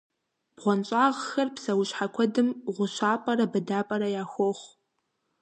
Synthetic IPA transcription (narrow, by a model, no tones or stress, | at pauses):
b̥ʁʷɔnt͡ʃʼaːʁxɐrpsɐwʊɕħakʷʰɔdɨmʁʷʊɕaːpʼɐɾɐbɨdaːpʼɐɾɐjaːxʷoχʷ